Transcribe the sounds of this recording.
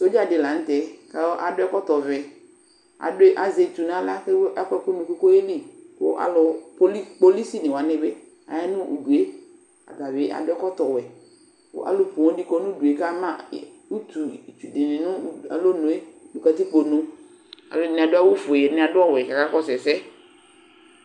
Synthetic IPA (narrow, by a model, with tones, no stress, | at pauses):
so˦d͡ʒa˦dɪ˨la˨n̩˦t̪ɛ˨ka˨o˦ʔa˨dʊ˦ɛ˦kɔ˦t̪ɔ˨vɛ˨ | a̰˨dʊ˦e˦ʔa˨ze˨t̪u˨nã˦la˦ke˦ɛ˦kɛ˦ko˦nũ˨ko˦ko˦je˦ɖi˦ko̰˦ʔa̰˨lʊ˨po˦i˦k͡po˦˨li˦si˦nẽ˨wa˨nẽ˦be˦ | a̰˨ja˦nʊ̃˦ṵ˨du˨e˦ | a̰˨da˨be˦ʔa̰˨dɛ˦kɔ˦t̪ɔ˨wɛ˨ | o̰˦ʔa̰˨lo˨pu˨ɔ̃˦di˦kɔ˦nũ˦du˨e˨ka˦mã˦˨u˦t̪u˨t͡ʃu˨dɪ˨nɪ̃˨nʊ̃˦a̰˨lo˦nõ˨e˦du˨ka˨t̪i˦k͡po˨nõ˨ | a̰˨lo˦˨nɪ̃˨a˨dʊ˦a˦wo˦fo˨e˨e˨nɪ̃˦a˨dʊ˦ɔ˦wɛ˨ka˨ka˦kɔ˦sɛ˨sɛ˦